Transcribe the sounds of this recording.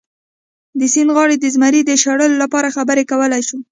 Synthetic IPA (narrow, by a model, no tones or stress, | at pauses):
d̪əsinɣɑɽed̪əzmaɾid̪əʃaɽəlolapɑɾaxabəɾekawəlajʃu